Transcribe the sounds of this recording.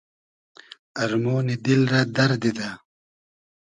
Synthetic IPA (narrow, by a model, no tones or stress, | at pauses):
ɐɾmoːnid̪ilɾad̪ɐɾd̪id̪a